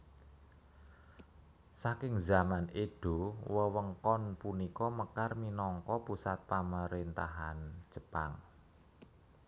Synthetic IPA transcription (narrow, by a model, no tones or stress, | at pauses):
sakɪŋzamaneɖ̥o̤wəwəŋkɔnpunikɔməkarminɔŋkɔpusat̪̚paməɾint̪a̰ɦan̥d͡ʒ̥əpa̰ŋ